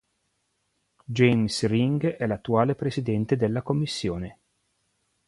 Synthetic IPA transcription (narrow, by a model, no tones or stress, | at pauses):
d͡ʒejmsriŋɡɛlat̪ːuaːlepɾesid̪ɛnt̪ed̪elːakomːisːjoːne